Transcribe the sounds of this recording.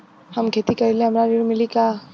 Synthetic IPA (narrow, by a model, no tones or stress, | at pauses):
hɐmkʰeːt̪ikɐɾilẽɦɐmɾaɾiɽmɪlika